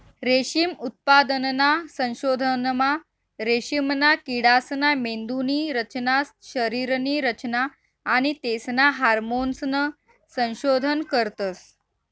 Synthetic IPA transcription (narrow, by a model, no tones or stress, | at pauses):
ɾeɕimut̪̚pad̪ənnasə̃w̃ɕod̪ʱənma | ɾeɕimnakiɽasnamend̪uniːɾət͡ɕnasɕəɾiɾniːɾət͡ɕnaː | ɽ̃it̪esnaɦaɾmonsnə | sə̃w̃ɕod̪ʱənkəɾt̪əs